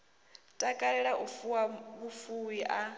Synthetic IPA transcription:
tʼakʼaɺɛɺaʔufuwaβufuwiʔa

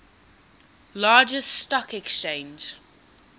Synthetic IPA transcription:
lɑːd͡ʒəsstɔkɛkst͡ʃẽɪ̃nd͡ʒ

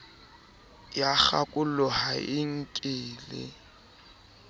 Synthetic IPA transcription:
jak͡xakʼʊlʊhaʔɪŋ̩kʼɪːlɪ̰

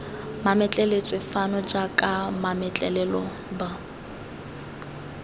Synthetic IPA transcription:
mamɛt͡ɬʼɛlet͡sʼwɪfanɔd͡ʒakʼamamɛt͡ɬʼɛlɛlɔ | ba

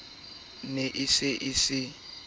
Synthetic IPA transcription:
neʔɪsɪʔɪsɪ

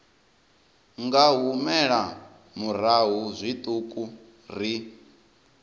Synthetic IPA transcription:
ŋɡaɦumɛɺa | muɾaɦuzʷit̪ʼukʼu | r̤i

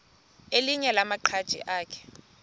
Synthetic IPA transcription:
eliɲɛlamaǃʰad̥ʒ̥ʱḭʔaːkʰɛ̥

